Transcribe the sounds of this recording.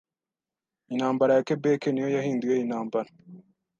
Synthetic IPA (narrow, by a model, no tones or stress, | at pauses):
inhaːmbaɾajakebekenijo̞jaɦiːnduje̞inhaːmbaɾa